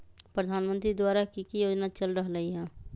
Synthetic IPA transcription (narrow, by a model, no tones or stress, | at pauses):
pɾəd̪ʱaːnmə̃nt̪ɾid̪waːɾakikijoːd͡ʒnat͡ʃəlɾəɦɾəɦiɦɛ̃ː